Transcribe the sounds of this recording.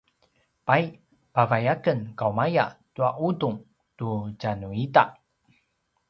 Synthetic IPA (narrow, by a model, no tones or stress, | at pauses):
paj | pavajakənkawmaja̰tuaʔuduŋ | tucanuitaʔ